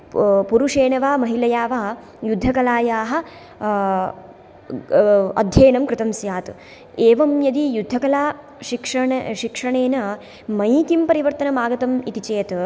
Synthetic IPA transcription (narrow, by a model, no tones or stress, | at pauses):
puɾuʂeːnɐʋaːmɐɦilɐjaːʋaː | jud̪ʱːɐkɐlaːjaːɦɐ̆ | ɐ̰d̪ʱjɐːnɐmkɾɪt̪ɐmsjaːt̪ | eːʋɐmjɐd̪ijud̪ʱːɐkɐlaː | ʃikʂɐɳʃikʂɐɳeːnɐ | mɐjkimpɐɾiʋɐɾt̪ɐnɐmaːɡɐt̪ɐmit̪it͡ʃeːt̪